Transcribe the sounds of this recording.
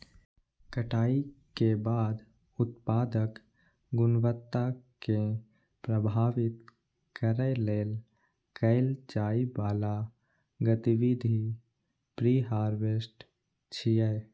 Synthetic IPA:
kəʈʰaːi | kebaːd̪ | ʊt̪̚paːd̪ək | ɡʊnwət̪ːake | pɾəbʱaːʋɪt̪ | kəɾɛleːl | kəɪlt͡ʃaːibaːla | ɡət̪iwid̪ʱi | pɾiːɦaːɾʋesʈ | t͡ʃʰijɛ

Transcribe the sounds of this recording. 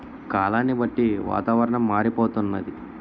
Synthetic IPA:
kaːlaːnːibɐʈːiʋa̰ːt̪aːʋɐɾɐɳɐmːaːɾipoːt̪unːɐd̪i

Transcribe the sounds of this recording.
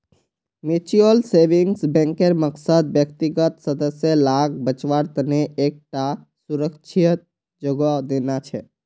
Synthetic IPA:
met͡ʃiolseʋiŋɡsbɛ̃ŋkeɾməksəd̪̚bjək̚t̪iɡət̪səd̪əsjəlaɡ̚bət͡ʃʋaɾt̪əneʔek̚ʈa | suɾəkt͡ʃʰiət̪ | d͡ʒoɡəd̪enat͡ʃʰɛ

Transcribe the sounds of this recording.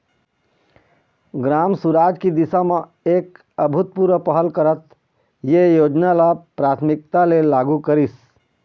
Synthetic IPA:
ɡɾaːmsuɾaːd͡ʒkid̪ɪsamẽ | eːk | əbʱʊt̪̚puɾʋəpəɦəlkəɾət̪ | jejoːd͡ʒnalapɾaːt̪ʰmɪk̚t̪alelaːɡukəɾis

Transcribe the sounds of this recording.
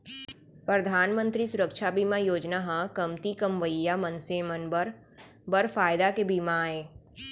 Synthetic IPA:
pɾəd̪ʱaːnmə̃nt̪ɾisʊɾəkʃabimajoːd͡ʒnaɦãkɐmt̪ikəmʋəjːamənsemənbəɾ | bəɾfaːjd̪akebimaeː

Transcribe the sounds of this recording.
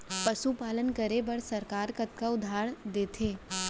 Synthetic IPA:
pɐʃupaːlənkɐɾebɐɾsɐɾkaːɾkɐt̪kaʊd̪ʱaːɽd̪eːt̪ʰeː

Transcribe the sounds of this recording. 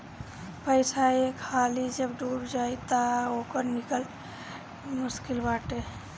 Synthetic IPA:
pəɪsaekʰalid͡ʒəbɖuːɾd͡ʒajt̪aokəɾnikəl | mʊskilbaːʈe

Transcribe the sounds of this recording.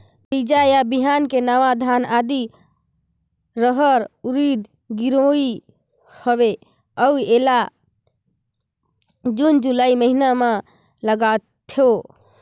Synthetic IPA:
bid͡ʒajabiɦankenaʋad̪ʱanad̪i | ɾəɦəɾuɾid̪ | ɡiɾoi | həbe | əwela | d͡ʒund͡ʒulaiməɦinama | ləɡat̪ʰːo

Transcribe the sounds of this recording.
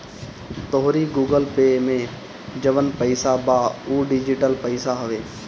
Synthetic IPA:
t̪oɦɾiɡuːɡəlpeːmẽ | d͡ʒɐʋənpəɪsabaːuːɖɪd͡ʒiʈəlpəɪsaɦʊʋeː

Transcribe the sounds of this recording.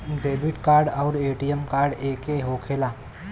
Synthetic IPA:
ɖeːbɪʈkaːɾɖɔːɾeːʈiemkaːɾɖeːkeɦoːkʰeːlaː

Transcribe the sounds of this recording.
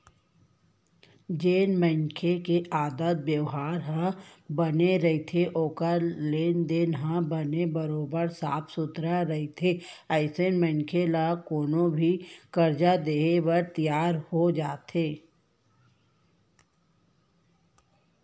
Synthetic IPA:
d͡ʒeːnmə̃ŋkʰekeʔaːd̪ət̪̚bjəwɦaːɾɦãbəneɾɐɦit̪ʰeʔoːkəleːnd̪enɦãbənebəɾoːbəɾsa̰ːpʰsʊt̪ɾaɾɐɦit̪ʰe | əɪsenmə̃ŋkʰelakoːnõbʱikəɾd͡ʒad̪eːebəɾt̪ijaːɾhod͡ʒaːt̪eː

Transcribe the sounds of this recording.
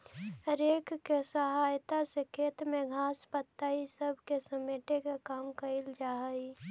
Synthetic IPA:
ɦəɾeːkːesəɦaːjt̪asekʰeːt̪mẽɡʱaːspət̪ːaisəbʱkesəmeːʈekakaːmkəɪld͡ʒaːɦəi

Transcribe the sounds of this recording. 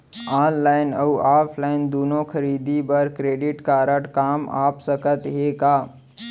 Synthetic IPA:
aːnlaːɪnəuaːpʰlaːɪnd̪oːnõkʰəɾiːd̪ibəɾkɾeːɖɪʈkaːɾəʈkaːma̰ːpsəkət̪ɦeːɡaː

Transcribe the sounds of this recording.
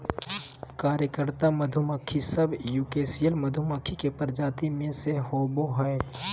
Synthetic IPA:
kaːɾjəkəɾt̪aməd̪ʱʊməkʰisəbjuːkeːsijəlməd̪ʱʊməkʰikepəɾd͡ʒaːt̪imẽseɦoːboɦɛe

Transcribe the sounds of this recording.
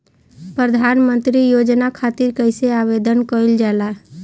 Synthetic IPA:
pɾəd̪ʱanmənt̪ɾijod͡ʒnakʰat̪iɾkəjseaβed̪ʱənkəjld͡ʒala

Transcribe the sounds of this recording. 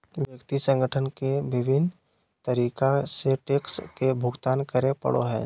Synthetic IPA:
ʋjəkt̪isə̃ŋɡəʈʰənkeʋɪbʱɪn | t̪əɾiːkaseʈeːkskebʱʊɡt̪aːnkəɾepə̰ɽo̰ɦɛ̰ː

